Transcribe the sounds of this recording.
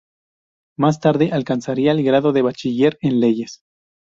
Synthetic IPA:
mas̬t̪aɾðe̞ʔalkansaɾiaelɡɾaðo̞ðe̞βat͡ʃiʝe̞ɾenle̞ʝe̞s

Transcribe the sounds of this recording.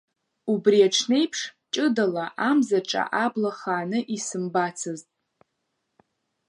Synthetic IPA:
ubriaʈ͡ʂʰne̞jpʰʂt͡ʃʼɨdalaʔamzaʈ͡ʂʼa̰ʔablaχaːnɨʔisɨmbat͡sʰɨztʼ

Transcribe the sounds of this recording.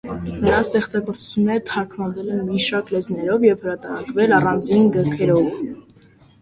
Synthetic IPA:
nəɾɑst̪ɛχt͡sɑɡɔɾt͡su̥t͡sʰjunːɛɾət̪ʰɑɾkʰmɑnvɛlɛnmiʃɑɾklɛznɛɾɔvjɛvhəɾɑt̪ɑɾɑkvɛlɑrɑnd͡zinɡəɾkʰɛɾɔv

